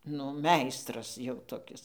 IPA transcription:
nʊ ˈmʲɛɪstrɐs jɛʊ toːˈkʲɪs

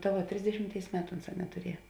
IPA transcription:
tɐ ˈʋɐ ˈtʲrʲɪzʲdʲɛʃʲɪmʲˌtʲeːɪs ˈmʲæːtʊ ˈʊnˌsɑː nʲɛtʊˈrʲiɛjɛ

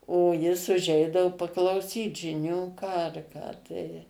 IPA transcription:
oː ˈjɪs ʊˈʒʲɛɪdɐʋʊ pɐklˠɐʊˈsʲiːt ʒʲɪˈnʲuː ˈkɑː ɐr ˈkɑː tɐɪ

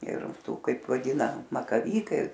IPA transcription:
ɪr ˈtuː ˈkɐɪp ʋɐˈdʲiːnɐ mɐkɐˈʋʲiːkɐɪ

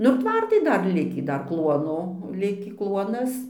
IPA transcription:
nʊ ɪr ˈtʋɐrtɐɪ ˈdɐr ˈlʲɪkʲiː ˈdɐr ˈklˠuɔnoː ˈlʲɪkʲiː ˈklˠuɔnɐs

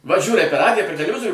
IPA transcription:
ʋɐ ˈʒʲuːrɐɪ pʲɛr ˈrɑːdʲɪjɛ pʲɛr tʲɛlʲɛˈʋʲɪzoːrʲuː

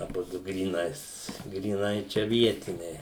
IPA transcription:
ɐˈbʊdʊ ɡrʲiːˈnɐɪs ɡrʲiːˈnɐɪ ˈt͡ʃʲɛ ˈʋʲiɛtʲɪnʲɛɪ

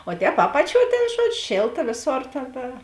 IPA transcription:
oː ˈtʲɛːp ˈɑːpɐˌt͡ʃʲuɔ tʲeːn ˈʒuɔd͡ʒʲʊ ˈʃʲeːlˠtɐ ˈʋʲeːˌsoːr ˈtʲeːn tɐ

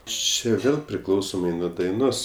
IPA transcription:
ˈt͡ʃʲɪ ˈʋʲeːlˠ pʲrʲɪˈklˠɐʊsoːmɐɪ nuɔ dɐɪˈnoːs

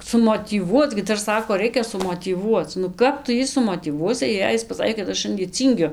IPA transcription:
sʊmoːtʲiːˈʋuɔt͡s ɡʲɪ ˈdɐr ˈsɑːkoː ˈrɐɪkʲɛ sʊmoːtʲiːˈʋuɔt͡s nʊ ˈkɐp tʊ ˈjiː sʊmoːtʲiːˈʋuɔsʲɪ jɛɪ ˈjɪs pɐˈsɑːkʲeː kɐt ˈɐʃ ˈʃɐnʲdʲiɛ ˈt͡sʲiːŋʲɡʲʊ

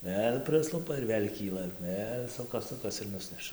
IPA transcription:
ˈʋʲeːlʲ ˈpʲrʲɪslˠʊpɐ ɪr ˈʋʲeːlʲ ˈkʲiːlˠɐ ˈʋʲeːlʲ ˈsʊkɐs ˈsʊkɐs ɪr ˈnʊsʲnʲɛʃɐ

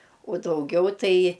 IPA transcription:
uɔ dɐʊˈɡʲɛʊ ˈtɐɪ

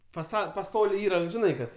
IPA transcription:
fɐˈsɐt pɐˈstoːlʲɛɪ ˈiːrɐ ʒʲɪˈnɐɪ ˈkɐs

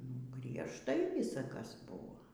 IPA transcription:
nʊ ɡrʲiɛʃˈtɐɪ ˈʋʲiːsɐ ˈkɐs ˈbʊʋoː

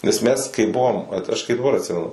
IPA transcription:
nʲɛs ˈmʲɛs kɐɪ ˈbʊʋoːm ˈʋɐt ɐʃ kɐɪ dɐˈbɐr ɐtʲˈsʲɪmʲɛnʊ

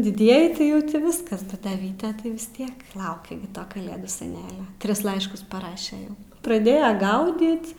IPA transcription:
dʲɪˈdʲiɛjɪ tɐɪ ˈjɛʊ ˈtʲɪ ˈʋʲɪskɐs ˈbʲɛt dɐ ˈʋʲiːtʲɛ tɐɪ ʋʲɪs ˈtʲiɛk ˈlˠɐʊkʲɛ ɡʲɪ ˈtoː kɐˈlʲeːduː sʲɛˈnʲæːlʲoː ˈtʲrʲɪs ˈlˠɐɪʃkʊs pɐˈrɑːʃʲɛ ˈjɛʊ prɐˈdʲeːjɛ ˈɡɐʊdʲiːt

